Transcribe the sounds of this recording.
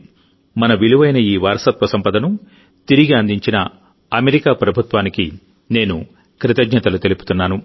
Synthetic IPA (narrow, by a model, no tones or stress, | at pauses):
mɐnɐʋiluʋɐjnɐiːʋaːɾsɐt̪ʋɐsɐmpɐd̪ɐnu | t̪iɾiɡiɐnd̪iɲt͡ʃinɐ | ɐmeɾikaːpɾɐbʱut̪ʋaːniki | ne̞ːnṵ | kɾit̪ɐɡɲɐt̪ɐlut̪e̞lupu̥t̪unːaːnu